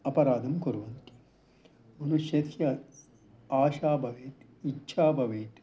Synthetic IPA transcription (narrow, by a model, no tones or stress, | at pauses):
ɐpɐɾaːd̪ʱɐmkuɾuʋɐnt̪i̥ | mɐnuʃjɐt̪ʰjɐ | aːʃaːbʱɐʋeːt̪ | itːʃʰaːbʱɐʋeːt̪